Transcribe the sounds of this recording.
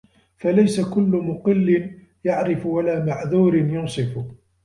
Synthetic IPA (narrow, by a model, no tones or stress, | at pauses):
falajsakʊlːʊmʊqɪlːɪn | jaʕɾɪfwalaːmaʕðuːɾɪnjʊnsˤɨfʊ